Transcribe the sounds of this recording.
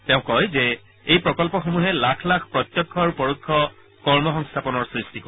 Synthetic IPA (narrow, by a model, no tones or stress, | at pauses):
teʊ̃kɔjzɛ | ejpɹɔkɔlpɔxomuɦɛlakʰlakʰpɹɔt̪jɔkʰːɔɹupɔɹukʰːɔ | kɔɹmɔxɔŋst̪ʰapɔnɔɹsɹistiko